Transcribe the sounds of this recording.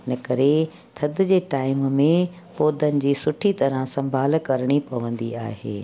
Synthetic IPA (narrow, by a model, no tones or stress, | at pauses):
ɪnəkɐɾe | t̪ʰɐd̪ɪd͡ʑeːʈaːɪmmẽ | poːd̪ʱənɪ̆d͡ʑiːsʊʈʰit̪ɐɾə̃sɐ̃mbʱaːlkɐɾɽ̃ipɐʋə̃nd̪ia̰ːɦḛː